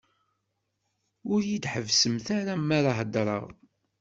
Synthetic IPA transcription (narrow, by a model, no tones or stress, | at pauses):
ʊɾjid̪ħəvsəmθaɾamːaɾaɦəd̪ɾˤɑ̰ʁ